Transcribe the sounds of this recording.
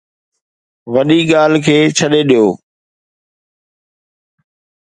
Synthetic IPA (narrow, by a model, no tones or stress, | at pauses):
ʋɐɗiːɠaːl̤kʰeːt͡ʃʰəɗeɗijoː